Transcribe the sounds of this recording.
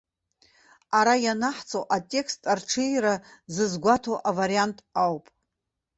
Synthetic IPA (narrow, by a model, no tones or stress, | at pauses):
aɾajanaħt͡sʼowʔatʲʼe̞kstʼarʈ͡ʂʰɨjɾazɨzɡʷatʰoʔavaɾiantʼawpʼ